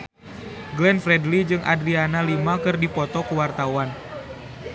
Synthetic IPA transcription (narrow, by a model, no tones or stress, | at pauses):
ɡlɛnfɾɛdlid͡ʒɨŋʔa̰dɾianalimakɨrdipɔt̪ɔkuwart̪awan